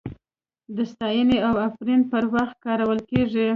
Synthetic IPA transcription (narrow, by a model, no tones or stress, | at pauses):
d̪əst̪ɑjəneawafɾinpəɾwaxt̪̚kɑɾawəlkeʐi